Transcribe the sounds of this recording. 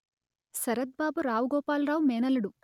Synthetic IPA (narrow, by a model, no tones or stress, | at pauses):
sɐɾɐt̪̚baːbuɾaːwuɡɔːpaːlɾaːwumeːnɐluɽu